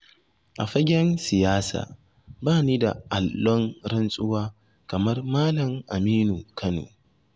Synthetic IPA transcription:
ʔa˨ɸɐ˦ɡʲɛ˦nsɪ˨jaː˦sa̰ː˨ | baː˦˨niː˦da̰˨ʔa˨lːɔ˦ŋɾɐ˦nsʼʊ˦waː˦ | kɐ˨mɐ˦rmaː˦lɐ˨mʔa˨miː˦nu˨kʰɐ˦no̰ː˨

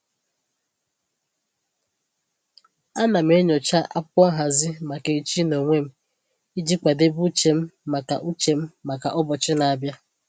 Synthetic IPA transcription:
a˦na˨m̩˦e˦ɲɔ˨t͡ʃa˦ʔa̰˦p̚ɔ˦ɦa˨zɪ˦ma˨ke˨i˨t͡ʃi˦no˨ŋʷe˦m̩˦ | i˦d͡ʒi˦kʷa˨de˦bu˦t͡ʃe˨m̩˦ma˨ka̰˨ʔu˦t͡ʃe˨m̩˦ma˨ka˨ʔɔ˦bɔ˨t͡ʃɪ˦na˨a˨bja˦

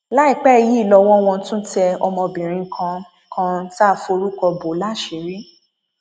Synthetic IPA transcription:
la˦i˦˨k͡pɛ˦˧˨ji˦˨lɔ˧wɔ̃˦w̃ɔ̃˧˦tũ˦tɛ˧ɔ˧mɔ̃˧bĩ˨ɾ̃ĩ˧˦kʰã˧˦ | kʰã˧ta˦˨fo˧ɾu˦kɔ˧bo˨˦la˦˨ʃe˨˦ɾi˦

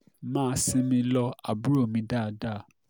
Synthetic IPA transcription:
mãː˦˧˦si˧mĩ˧lɔ˧a̰˨bu˦ɾo˦˨mĩ˧da˦˨da˦˨

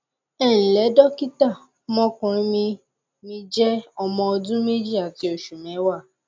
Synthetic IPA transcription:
ɛ˦˨ñ̩˨lɛ˨˦dɔ˦ki˦ta˦˨ | mɔ̃˦kũ˧ɾĩ˦mĩ˧ | mĩ˧d͡ʒɛ˦ɔ˧mɔ̃˧ɔ˧dũ˦me˦d͡ʒi˦˨a˨ti˨˦o˨ʃu˨mɛ̃˨˦wa˦˨

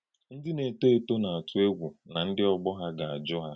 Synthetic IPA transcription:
n̩˦dɪ˦ne˨te˦e˨to˦na˨a˨tʊ˨e˦ɡʷu˨na˨n̩˦dɪ˦ɔ˦ɡ͡bɔ˦ɦa˦ɡa˨a˨d͡ʒɔ˦ɦa˦

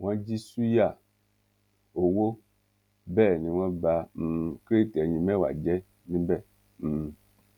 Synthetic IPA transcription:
wɔ̃˦d͡ʒi˦su˦ja˦˨ | o˨wo˦ | bɛ˦˨nĩ˧wɔ̃˦bã˧˨kɾe˦tɛ˨ɲĩ˧˨mɛ̃˦˨wa̰˨d͡ʒɛ˦ | nĩ˦bɛ˦˨

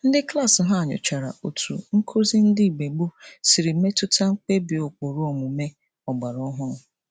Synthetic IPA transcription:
n̩˦dɪ˦kla˦˨sɪ˨ɦa˦a˨ɲʊ̰˨t͡ʃa˨ɾa̰˨ʔo˨tʰṵ˨ŋ̩˦kʰo˦zi˦n̩˦di˦˨ɡ͡be˨ɡ͡bʊ˦si˨ɾi˨˦me˦tʊ˦tʰa˦ŋ̩˦k͡pe˦bi˨o˨k͡po˨ɾu˦o˨ŋʷʊ˨me˦ | ɔ˨ɡ͡ba˨ɾɔ˦ɦʊ˦˨

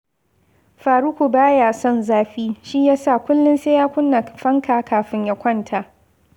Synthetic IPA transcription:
ɸaː˨ɾu˦kʷu˨baː˦ja˨sɔ˦˨nzaː˦ɸiː˦ʃi˦jaː˦sa˦˨kʷʊ˦lːɪ˦nse˦jaː˦kʷʊ˦nːa˨ɸɐ˦ŋkaː˨kʰaː˨ɸɪ˦ɲja˦kʷɐ˦˨ntʰa˨ʔ

